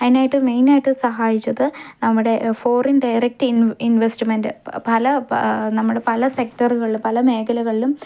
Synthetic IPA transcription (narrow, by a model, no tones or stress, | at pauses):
ɐðineaːjiʈːɨme̞jnaːjiʈːɨsɐɦaːjit͡ɕːɐðɨnɐmːuɽe̞foːrinɖɐjɾek̚ʈininʋesʈɨmendɨpɐlɐnɐmːuɽe̞pɐlɐsek̚ʈɐruɣɐɭilumpɐlɐme̞ːkɐlɐɣɐɭilum